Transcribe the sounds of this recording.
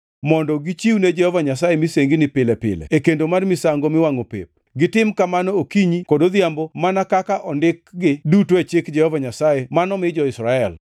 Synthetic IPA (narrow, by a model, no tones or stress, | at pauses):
mɔndɔɡɪt͡ʃiwned͡ʒɛhɔvaɲasajemiseŋɡinɪpɪlɛpɪ̰lɛ̰ekendomarmɪsaŋɡomɪwaŋopḛp̚ɡɪtɪmkamanɔokiɲikodod̪jambɔmanakakaʔɔndɪkɡɪdutoet͡ʃekd͡ʒɛhɔvaɲasajemanɔmɪd͡ʒɔɪsɾaɛl